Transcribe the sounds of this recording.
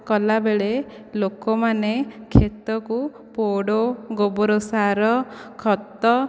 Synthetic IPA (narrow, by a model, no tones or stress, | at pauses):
kɔlabeɭe | lokɔmanekʰːet̪ɔku | poɽoɡobɔɾosaɾɔkʰɔt̪ːɔ